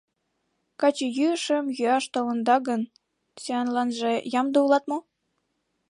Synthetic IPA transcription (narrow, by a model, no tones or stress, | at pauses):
kɑt͡ɕejyəʃə̆mjyɑʃt̪olə̆nd̪ɑɣən | seɑnlɑnʒĕjɑmd̪oulˠɑt̪mo